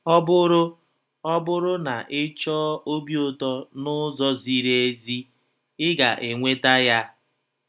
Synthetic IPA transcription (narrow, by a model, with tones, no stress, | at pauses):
ɔ˦bʊ˦ɾʊ˦ | ɔ˦bʊ˦ɾʊ˦na˨ʔɪ˦t͡ʃɔː˦o˦bjo˦tɔ˦nʊ˦zɔ˦zi˦ɾe˦e˦zi˦ | ɪ˦ɡa˨ʔe˨ŋʷe˦ta˦ja˦